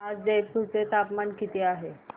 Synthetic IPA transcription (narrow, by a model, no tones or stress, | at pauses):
ad͡zd͡ʑetsut͡set̪apmankit̪iaɦe